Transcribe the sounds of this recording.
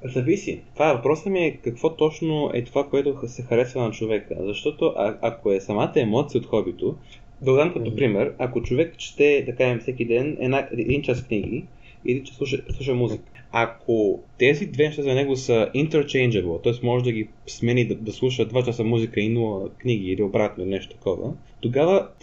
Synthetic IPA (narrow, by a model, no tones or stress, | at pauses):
zɐvisḭt̪ovaɛvɐpɾɔsəmiɛkɐkvɔt̪ɔt͡ʃnoɛ̰t̪ovakoɛt̪osɛxɐɾɛsvɐnɐt͡ʃovɛkə̰zɐʃt̪ɔt̪oʔaakoɛsɐmat̪əɛmɔt̪sijəot̪xɔbit̪o | d̪ɐɡod̪amkɐt̪opɾimɛɾɐkot͡ʃovɛkʃt̪ɛd̪ɐkaʒɛmfsɛkid̪ɛnɛ̰naɛd̪int͡ʃaskniɡ̟ḭ | iɛd̪int͡ʃɛ̥slˠuʃ̬əslˠuʃ̬əmuzikə̥ | akʰot̪ɛzid̪vɛnɛʃt̪azɐnɛɡosəint̪ɛɾt͡ʃɛjnd͡ʒɛbɛlˠt̪ɔɛsmɔʒɛd̪ɐɡi | smɛnid̪ɐd̪ɐslˠuʃ̬əd̪vat͡ʃasɐmuzikəinulˠəkniɡ̟iːliobɾat̪nonɛʃt̪o̥t̪ɐ̥kɔvə̰ | t̪oɡavə